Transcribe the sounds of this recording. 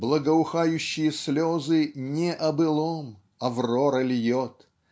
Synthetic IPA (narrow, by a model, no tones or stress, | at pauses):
blˠəɡəʊxajʉɕːɪjəslʲozɨnʲɪʔɐbɨlˠom | ɐvroɾəlʲjot̪